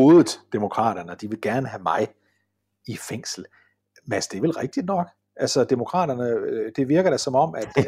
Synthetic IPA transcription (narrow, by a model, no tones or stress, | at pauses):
o̝ːðˠð̩ˠd̥emo̝kʰʁɑ̰̈ːɾ̥ɐnəɒd̥iʋe̝lɡ̥æɐnəɦæmɑ̈ɪ | ifeŋ̰sl̩ | mæsd̥e̝ʋelʁeɡ̥̚d̥id̥nɒ̽ɡ̥ | ʔælsɒd̥emo̝kʰʁɑ̰̈ːɾɐnəd̥e̝ʋiɐɡ̥ɐɾ̥æsɒ̽mɒ̽m̰æd̥